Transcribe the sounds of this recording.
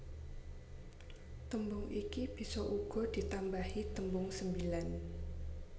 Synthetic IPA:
t̪əmbʊŋʔikib̥i̤sɔʔuɡ̥ɔ̤d̥i̤t̪ambahit̪əmbʊŋsəmbilan

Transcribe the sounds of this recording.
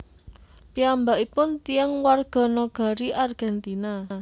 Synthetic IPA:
piambaʔipʊnt̪iaŋwarɡ̥ɔ̤nɔɡ̥a̤ɾiʔarɡ̥ɛnt̪ina

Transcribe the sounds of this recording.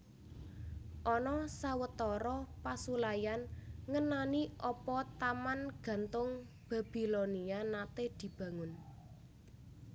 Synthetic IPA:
ʔɔnɔsawət̪ɔɾɔpasulajanŋənaniʔɔpɔt̪amanɡ̥ä̤nt̪ʊŋ | b̥ä̤b̥i̤lonianat̪ehd̪̥i̤b̥ä̤ŋʊn

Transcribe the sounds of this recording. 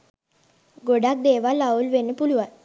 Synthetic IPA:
ɡoɖak̚d̪eːʋalːaulʋenːəpuluʋan

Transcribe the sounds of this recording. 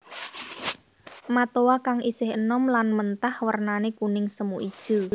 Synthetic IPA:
mat̪owakaŋʔisɪhənɔmlanmənt̪ahwərnanekunɪŋsəmuʔid̥ʒ̥ṳ

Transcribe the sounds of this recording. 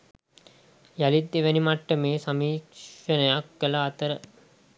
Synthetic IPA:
jalid̪ːiʋænimaʈːəmeːsɐmiːkʂənəjakːəlaːt̪əɾə

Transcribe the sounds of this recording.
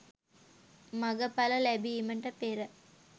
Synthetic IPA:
maɡəpaləlæbiiməɳʈəpeɾə

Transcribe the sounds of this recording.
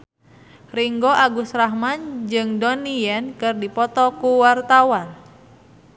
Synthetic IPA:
riŋɡoʔaɡusrahmand͡ʒɨŋdonijɛnkɨrdipɔt̪ɔkuwart̪awan

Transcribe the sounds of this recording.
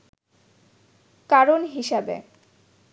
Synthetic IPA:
kaɾonɦiʃabḛ

